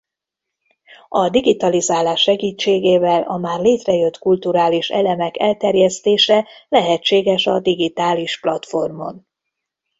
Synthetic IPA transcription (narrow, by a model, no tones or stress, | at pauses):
ɒd̪iɡit̪ɒlizaːlaːʃːɛɡiːt͡ʃːeːɡeːvɛlʔɒmaːrleːt̪rɛjø̞t̪kult̪uɾaːliʃɛ̰lɛmɛkɛlt̪ɛrjɛst̪eːʃɛlɛɦɛt͡ʃːeːɡɛʃɒd̪iɡit̪aːliʃplɒt̪fo̞rmo̞̰n